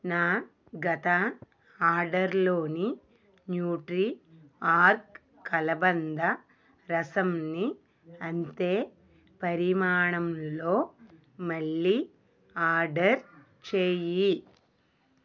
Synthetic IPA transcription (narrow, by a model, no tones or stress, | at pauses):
naː | ɡɐt̪ɐ | aːɾɖɐɾlo̞ːni | njuːʈɾiaːɾk | kːɐlɐbɐnd̪ɐ | ɾɐsɐmni | ɐnt̪e̞ː | pɐɾimaːɳɐmlo̞ː | mɐɭːi | aːɾɖɐɾ | t͡ʃeːji